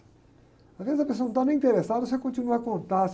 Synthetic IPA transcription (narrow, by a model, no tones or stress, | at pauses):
azvezɪzɐpesoñt̪anẽĩnt̪eɾesad̪ɐs̬ekõnt͡ʃinuɐkõnt̪as